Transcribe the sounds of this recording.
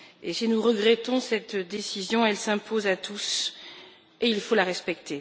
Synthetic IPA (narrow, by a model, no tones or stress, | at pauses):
esinuʁəɡʁɛt̪ɔ̃sɛt̪d̪esizjɔ̃ɛlsɛ̃pʰozat̪ʰus | eilfolaʁɛspɛk̚t̪e